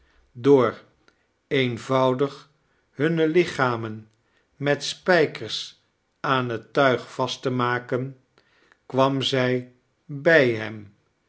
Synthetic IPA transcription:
dʊːɹ | ejnvɑwdəχ | ɦɵnəlɪχaːmən | mɛtspɛjkəɹs | aːnɦətœɥχfɑstəmaːkən | kʋɑmzɛj | bɛjɦɛm

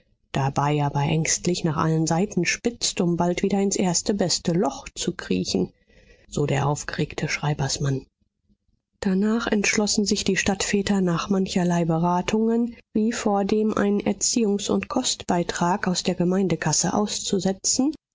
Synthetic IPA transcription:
d̥abaɪʔaːbɐʔɛŋstlɪçnaːχʔa̰lənzaɪtn̩ʃpɪt͡stʊmbaltv̥iːdɐɪnsʔeːɐstəbɛstəlɔχt͡sukʁ̥ḭːçn̩ | z̥oːdeːɐʔaʊfɡ̥əʁeːktʰəʃʁ̥aɪbɐsman | d̥anaːχɛntʃlɔsn̩zɪçd̥iːʃtatfɛːtɐnaːχmançɐlaɪbəʁaːtʰʊŋənviːfoːɐdeːmʔa̰ɪnənʔɛɐt͡siːʊŋsʊ̰ntkʰɔstb̥aɪtʁ̥aːkaʊsd̥eːɐɡəmaɪndəkʰasə̰ʔa̰ʊst͡suzɛt͡sn̩

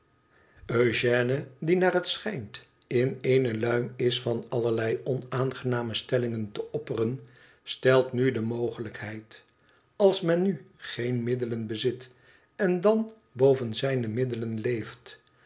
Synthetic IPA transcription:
øʒɛːnədinaːrɦətsχɛjnt | ɪnejnəlœɥmɪsfɑnɑləɹlɛjɔnaːnχənaːməstɛlɪŋəntəʔɔpərən | stɛlˠtnydəmowχələkɦɛjt | ɑlˠsmɛnːyχejnmɪdələnbəzɪt | ɛndɑn | bowvənzɛjnəmɪdələnlejft

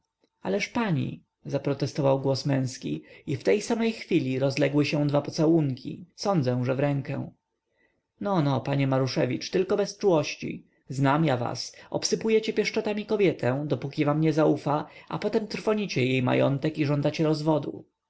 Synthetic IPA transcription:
a̰lɛʂpaɲḭ | zapɾɔt̪ɛst̪ɔvawɡwɔsmɛ̃w̃skʲḭift̪ɛjsamɛjxfʲilʲiɾɔzlɛɡwɘɕɛ̃d̪vapɔt̪sɛwuŋkʲʰḭsɔnd̪zɛ̃ʐɛvɾɛŋkɛ̰̃ | nɔnɔpaɲɛmaɾuʂɛvʲit͡ʂt̪ɘlkɔbɛst͡ʂuwɔɕt͡ɕḭ | znamjava̰sɔ̰psɘpujɛt͡ɕɛpʲjɛʂt͡ʂɔt̪amʲikɔbʲjɛt̪ʰɛ̃d̪ɔpukʲivamɲɛzaufaʔa̰pɔt̪ɛmt̪ɾfɔɲit͡ɕɛjejma̰jɔ̰nt̪ɛkiʐɔnd̪at͡ɕɛɾɔzvɔd̪ṵ

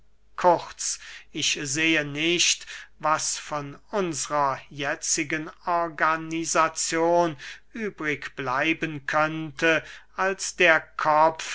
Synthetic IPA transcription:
kʰʊχtt͡sɪʃzeːənɪʃtvasfɔnʊnzəʁɐjɛt͡sɪɡənɔɐɡanizat͡sjoːnʔyːbʁɪkb̥laɪbənkʰœntə | alsd̪̥eːɐkʰɔpf

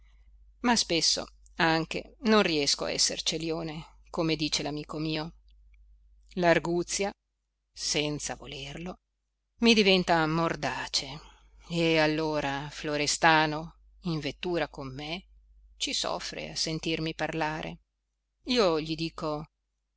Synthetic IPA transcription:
maspesːo̰ | aŋk̟ḛnonriɛskoa̰ɛ̰sːḛrt͡ʃeljoːne | komed̪iːt͡ʃelamiːkomiːo | larɡut̪sːja | sɛnt̪savolerlo | mid̪ivɛnt̪amord̪aːt͡ʃe | ealːoːɾafloɾest̪aːno | iɱvet̪ːuːɾakomːe | t͡ʃisɔ̰fːɾḛasent̪irmiparlaːɾʔḛ | iːoʎid̪iːko

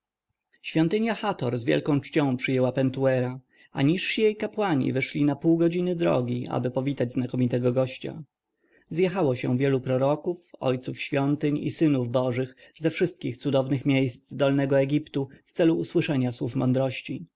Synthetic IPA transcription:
ɕfʲjɔ̃nt̪ɘɲjaxat̪ɔɾzvʲjɛ̰lkɔ̃w̃t͡ʂt͡ɕɔ̃w̃pʂɘjɛwapɛnt̪uɛɾa | a̰ɲiʂɕijejkapwaɲḭvɘʂlʲinapuwɡɔd͡ʑinɘd̪ɾɔ̰ɡʲiʔa̰bɘpɔvʲit̪ad͡ʑznakɔmʲit̪ɛɡɔɡɔɕt͡ɕa̰ | zjexawɔɕɛ̰vʲjɛlupɾɔɾɔkufɔ̰jt̪sufɕfʲjɔnt̪ɘɲḭsɘnuvbɔʐɘxzɛfʂɘst̪̚kʲixt̪sud̪ɔvnɘxmʲjejst̪d̪ɔlnɛɡɔɛɡʲipt̪uft̪sɛluːswɘʂɛɲaswufmɔnd̪ɾɔɕt͡ɕi

